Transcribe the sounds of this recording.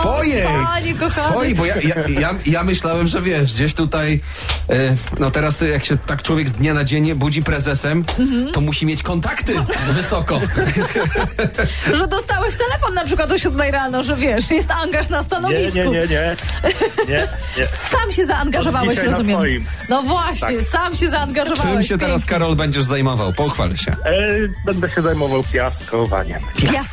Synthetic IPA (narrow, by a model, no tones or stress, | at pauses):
pɔjɛaɲikɔxsaɔjibɔjajajajamɘɕlawɛmʐɛvʲjɛʂɡd͡ʑeɕt̪ut̪aj | nɔt̪ɛɾast̪jakɕɛt̪akt͡ʂwɔvʲjɛɡzd̪ɲanad͡ʑɛɲɛbud͡ʑipɾɛzɛsɛmm̩t̪ɔmuɕimʲjet͡ɕkɔnt̪akt̪ɘvɘsɔkɔ | ʐɛd̪ɔst̪awɛɕt̪ɛlɛfɔnːapʂ̬ɘkwat̪ɔɕɾud̪mɛjɾanɔʐɛvʲjɛʂjɛst̪aŋɡaʂnast̪anɔɲɛvisɲɛkuɲɛɲɛ | ɲɛ | ɛ | samɕɛzaːŋɡaʐɔvawɛɕɾɔzumʲjɛɔmjim | nɔvwaɕaɲɛsamɕɛzaːŋɡaʐɔvaɪɛmɕɛt̪ɛwɾaskaɾɔlbɛɲd͡ʑɛʐzajmɔva̰wpɔuxfa̰lɛ̰ɕɛ̰bɛnd̪ɛɕɛzajmɔvawpʲjaskɔva̰ɲɛ̰pjas